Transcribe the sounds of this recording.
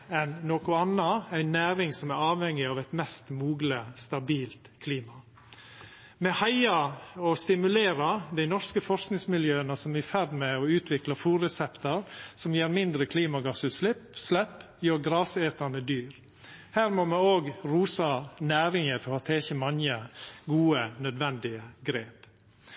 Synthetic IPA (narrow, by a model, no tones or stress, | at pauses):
ɛnːoːkʊɑnːəæɪnæːɾɪŋsɔmæɾɑːʋhɛŋːɪɑːʋæɪt̪mɛst̪muːɡləst̪ɑbiːlt̪kʰliːmɑ | mɛhɑɪɑɔst̪ɪmʉleːɾɑd̪æɪnɔskəfɔɾsknɪŋsmɪljøːənəsɔmæfæɾmɛɔʉːt̪ʰʋɪklɑfuːɾɛsɛpt̪əɾsɔmjeːɾmɪnd̪ɾəkʰliːmɑɡɑsʉːt̪slɪpslɛp | jøːɾɡɾɑːseːt̪əɳəd̪yːɾ | hæːɾmɔmɛoːɡɾuːsɑnæːɾɪŋəfɔɾɔt̪ʰɛːçəmɑnjəɡuːənœd̪ʋɛnd̪ɪəɡɾeːp